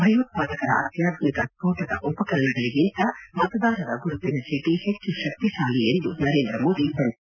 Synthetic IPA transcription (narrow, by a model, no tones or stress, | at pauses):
bʱɐjʋɐt̪̚paːd̪ɐkɐɾɐ̰ʔɐ̰t̪jaːd̪nikɐspoːʈɐd̪ɐ̰ʔupɐkɐɾɐnɐɡɐliɡint̪ɐmɐt̪ɐd̪aːɾɐd̪ɐɡuɾut̪ːinɐsiʈihet͡ʃːuʃɐk̚t̪iʃaːliend̪unɐɾe̞ːnd̪ɾɐmoːd̪ipɐɳ